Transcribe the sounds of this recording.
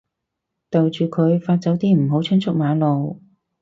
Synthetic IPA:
t̪o˨wt͡ʃyː˨kʰɵ˨˧ɥfaː˧t̚t͡sɐ˨˥wt̪iː˥m̩˨˩ɦo˨˥wt͡sʰɵ˥nt͡sʰʊ˥k̚maː˨˥lo˨w

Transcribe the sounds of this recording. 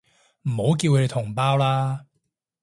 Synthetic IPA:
m̩˨˩ho˨˥wk̬iː˧wkʰɵ˧e˨˧tʰʊ˨˩ŋpaː˥wlaː˥

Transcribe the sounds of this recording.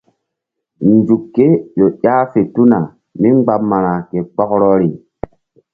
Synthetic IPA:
nd͡ʒu˨kːe˦jo˨ʔaː˦fe˨tu˦na˨ | mi˦ŋ͡mɡ͡ba˦mːa˨ɾa˨ke˨k͡pɔ˦kɾɔ˦ɾi˨

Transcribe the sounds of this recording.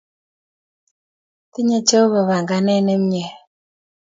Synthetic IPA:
ti˦ɲe˨t͡ʃe˦βa˨βa˨ŋɡa˨nɛ˦nɛ˦m˦ɲɛ˨

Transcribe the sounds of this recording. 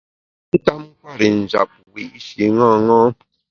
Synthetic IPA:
n̩˦ta˦m̩˦kwa˦˨ɾi˨n̩˨d͡ʒa̰˨p̚wi˨ʔʃi˨ŋa˦˨ŋɔ˦

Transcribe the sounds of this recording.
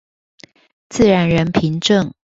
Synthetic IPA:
t͡sɹ̩˥˨ɻa˧˦nɻə˧˦npʰi˧˦ŋʈ͡ʂə˥˨ŋ

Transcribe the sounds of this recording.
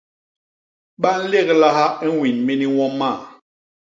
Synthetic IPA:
ɓa˦n̩˦le˦˨kla˦ha˦i˦wi˨nmi˦ni˦wɔ˦mːa˦˨

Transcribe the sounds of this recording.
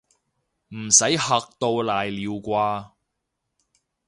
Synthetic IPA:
m̩˨˩sɐ˨˥jhɐ˨˧k̚t̪o˧wlaː˨jliː˨˧wkʷaː˧

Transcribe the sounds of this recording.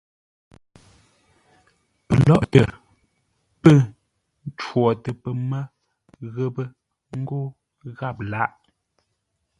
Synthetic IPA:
pə˨lɔ˦˨ʔtə̰˨ | pə˦˨ | n˦t͡ʃwɔ˨tə˨pə˨mə˦ | ɣə˦˨bə˦ | ŋ̩˦ɡo˦ | ɣa˦˨p̚la˦ʔ

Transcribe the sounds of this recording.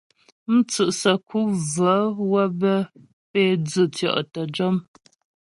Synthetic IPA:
m̩˦t͡sʉ˨ʔsə˨kʰu˦və˨˦wə˦bə˦ | peː˦d͡zə˨tjɔ̰˦˨ʔtə˨d͡ʒɔ˦m

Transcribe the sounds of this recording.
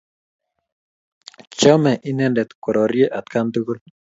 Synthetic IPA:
t͡ʃɔ˦mɛ˨ʔi˦nɛndɛ˨t̪ku˨ɾɔ˨ɾje˦ʔa˨t̪̚kand̪ukul

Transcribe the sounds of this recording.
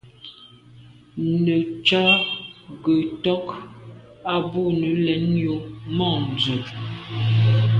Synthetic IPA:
nə˨t͡ʃa˦ɡə˨tɔ˦k | a˦bo˦˨nə˨˦lɛ˨˦njo˨mɔ˦˨n˨d͡zə˨

